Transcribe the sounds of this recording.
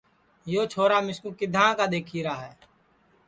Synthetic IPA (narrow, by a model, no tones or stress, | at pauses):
joːt͡ʃʰoːɾaːmɪskũːkɪd̪ʱãːkaːd̪eːkʰiːɾaːɦɛː